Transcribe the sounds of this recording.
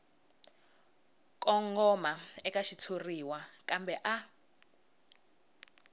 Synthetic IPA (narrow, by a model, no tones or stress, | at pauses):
kʼɔŋɡɔmaɛkʼaʃit͡sʰuriwakʼambɛʔa